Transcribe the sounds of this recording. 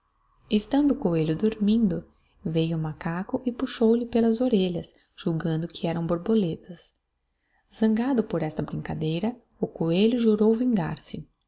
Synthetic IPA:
ɪst̪ɐ̃nd̪ʊːkoeʎʊd̪oɾmĩnd̪ʊ | vejʊmakakʊʔɪpuʃowlɪpelɐzoɾeʎɐs | ʒ̥uwɡɐ̃nd̪ʊkʰɪɛɾɐ̃w̃boɾbolet̪ɐs | z̥ɐ̃ŋɡad̪ʊpoɾɛst̪ɐbɾĩŋkad̪ejɾɐ | ʊkoeʎʊʒuɾowvĩŋɡa̰ɾsɪ

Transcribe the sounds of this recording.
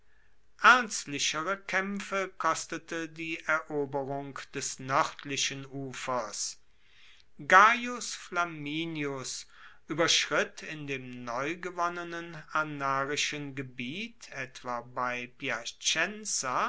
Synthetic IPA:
ʔɛɐnstlɪʃəʁəkʰɛmfəkʰɔstətədiːʔɛɐʔoːbəʁʊŋkd̥ɛsnœʁtʰlɪʃənuːfɐs | ɡajʊsflamiːnjʊs | ʔyːbɐʃʁ̥ɪtʰɪndeːmnɔʏɡəvɔnənənanaːʁɪʃənɡəbiːtʰɛtv̥abaɪpjat͡ʃɛnsa

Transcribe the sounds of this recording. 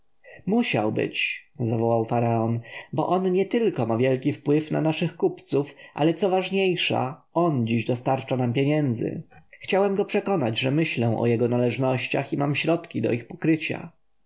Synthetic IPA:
muɕa̰wbɘ̰t͡ɕzavɔwawfaɾaɔnbɔ̰ʔɔnɲɛt̪ɘlkɔmavʲjɛlkʲifpwɘfna̰naʂɘxkupt̪sufʔa̰lɛt̪sɔvaʐɲejʂa̰ɔnd͡ʑiʑd̪ɔst̪aɾt͡ʂanampʲjeɲɛnd̪zɘ̰xt͡ɕawɛmɡɔpʂɛkɔnad͡ʑʐɛmɘɕlɛw̃ʔɔ̰jɛɡɔnalɛʐnɔɕt͡ɕa̰ximamɕɾɔt̪kʲid̪ɔ̰ixpɔ̥kɾɘt͡ɕa̰

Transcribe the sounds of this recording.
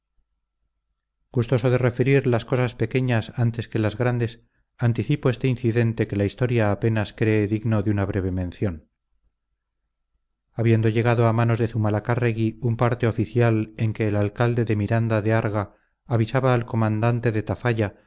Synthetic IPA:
ɡ̥ust̪o̞so̞ðe̞re̞feɾiɾlasko̞saspe̞ke̞ɲasant̪e̞ske̞lazɣɾand̪e̞s | ant̪iθipo̞e̞st̪ein̟θiðe̞nt̪e̞ke̞laist̪o̞ɾjaːpe̞naskɾe̞ːðiɣno̞ðunaβ̞ɾe̞β̞e̞mẽ̞nθjo̞n | aβje̞nd̪oʝe̞ɣ̞aðo̞amanozðe̞θumalakareɣiumpaɾt̪e̞o̞fiθjale̞ŋke̞ːlalkald̪e̞ðe̞miɾand̪aðeaɾɣaː | βisaβaːlko̞mãnd̪ant̪e̞ðe̞t̪afaʝa

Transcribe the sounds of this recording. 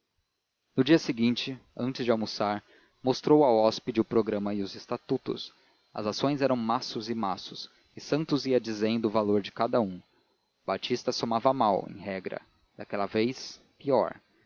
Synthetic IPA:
nʊd͡ʒiɐsɪɡĩnt͡ʃɪɐ̃nt͡ʃɪzd͡ʒɪawmusaɾ | most̪ɾowɐɔspɪd͡ʒɪʊpɾoɡɾɐ̃mɐɪʊzɪst̪at̪ut̪ʊ̰s | ɐ̰zasõj̃zɛɾɐ̃w̃masʊzɪmasʊs | ɪsɐ̃nt̪ʊziɐd͡ʒizẽj̃d̪ʊʊvaloɾd͡ʒɪkad̪ɐũ | bat͡ʃist̪ɐsomavɐmawḛ̃j̃ɦɛɡɾɐ̰ | d̪akɛlɐvejs | piɔ̰ɾ

